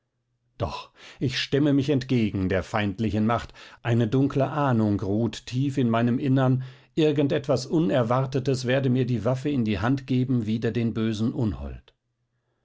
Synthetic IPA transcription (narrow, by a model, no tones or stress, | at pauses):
d̥ɔ̰χʔɪçʃtɛməmɪçɛntɡ̥eːɡŋ̩deːɐfaɪntlɪçn̩maχtʔaɪnədʊŋkləʔaːnʊŋʁuːttʰiːfɪnmaɪnəmʔɪnɐn | ʔɪɐɡn̩tʔɛtv̥asʔʊnɛɐvaʁtətəsv̥eːɐdəmiːɐdiːvafəɪndiːhantɡ̥eːbm̩viːdɐdeːnbøːzn̩ʔʊnhɔ̰lt